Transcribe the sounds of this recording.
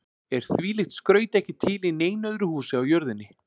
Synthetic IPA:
ɛɾ̥θviːlɪxt̪skɾœːɥt̪ɛhcɪt̪ʰɪlineːjnœðɾʏhuːsɪawjœɾðɪnːɪ

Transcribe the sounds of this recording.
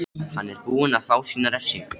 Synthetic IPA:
hanːɛɾpuːɪnaðfaːwsiːnaɾɛɾ̥sɪ

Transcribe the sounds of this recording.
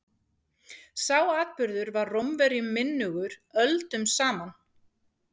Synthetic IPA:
sawaːðpʏɾðʏɾvarrɔmvɛɾjʏmːɪnːʏɣʏɾœlt̪ʏmsaːman

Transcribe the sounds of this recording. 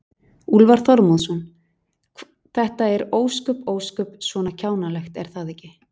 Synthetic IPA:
ulvaɾ̥θɔɾmɔðsɔn | θɛht̪aɛɾoːwskʏpoːwskʏpsvɔːnacʰaːwnalɛxt̪ɛɾ̥θaðɛhcːɪ

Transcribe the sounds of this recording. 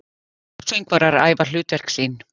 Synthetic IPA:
sejŋkvaɾaɾaːjvalʏːt̪vɛr̥ksiːn

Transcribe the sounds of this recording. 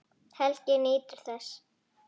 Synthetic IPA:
hɛl̥cɪniːt̪ʏɾ̥θɛsː

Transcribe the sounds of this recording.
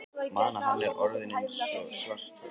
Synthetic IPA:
maːnahanːɛɾɔɾðɪnɪnsɔsvar̥t̪

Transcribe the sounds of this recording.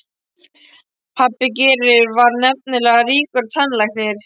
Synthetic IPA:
pʰapːɪcɛɾɪɾvaɾnɛp̚nɪlɛːɣariːkʏɾ̥t̪ʰanlajxnɪɾ̥

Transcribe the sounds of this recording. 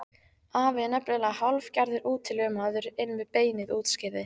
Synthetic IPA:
aːvɪðnɛpnɛlahalv̥caɾðɪɾʔuːt̪ʰːɪlœmaːðʏɾɪnːvɪðpeːjnɪðuːt̪scɪðɪ

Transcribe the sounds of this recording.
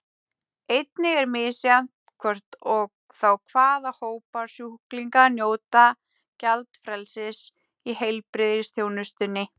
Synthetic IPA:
ejt̪nɪɣɛɾmɪːsjamt̪kʰvɔr̥t̪ɔɣ | θawkʰvaːðahoːwpaɾ̥sjuhkliŋkanjoːwt̪a | calt̪fɾɛlsɪs | ihejlpɾɪðɪst̪ʰjownʏst̪ʏnːɪ

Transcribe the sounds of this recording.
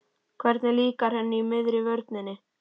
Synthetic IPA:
kʰvɛɾt̪naliːkaɾhanːɪmɪðɾɪvœɾt̪nɪnɪ

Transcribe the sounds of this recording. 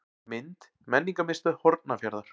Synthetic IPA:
mɪnt̪ | mɛnːiŋkamɪst̪ʏhɔɾt̪̚nafjaɾðaɾ̥

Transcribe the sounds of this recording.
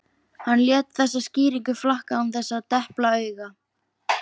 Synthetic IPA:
hanːljɛːt̪θɛsːasciːɾiŋkʏflahkaumθɛsːat̪ɛhplaœːɥɣa

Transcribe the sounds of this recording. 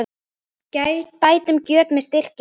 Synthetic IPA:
cajpaːjt̪ʏmcœːt̪mɛðst̪ɪr̥c

